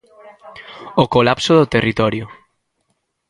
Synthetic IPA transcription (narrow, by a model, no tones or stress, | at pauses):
okolapsoðot̪erʔit̪ɔɾjo